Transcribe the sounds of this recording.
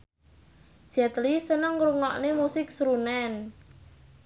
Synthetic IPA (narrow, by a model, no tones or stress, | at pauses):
d͡ʒ̥ɛt̪lisənəŋɾuŋɔʔnemusɪksɾunɛn